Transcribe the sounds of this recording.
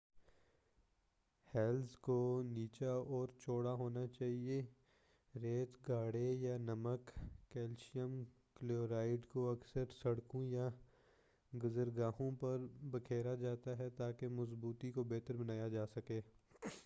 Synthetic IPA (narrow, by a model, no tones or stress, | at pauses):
hɛːlzkoniːt͡ʃaɔːɾt͡ʃoːɽaɦoːnat͡ʃaːɦie | ɾeːt̪ɡaːɽejanɐməkːɛːlʃijəm | kloːɾaːɪɖkoɐksəɾsɐɽkõja | ɡʊzəɾɡaːɦõpɐɾbɐkʰeːɾad͡ʒaːt̪aɦɛt̪aːkemɐsbuːt̪ikobeːt̪əɾbɐnaːjad͡ʒaːsɐkeː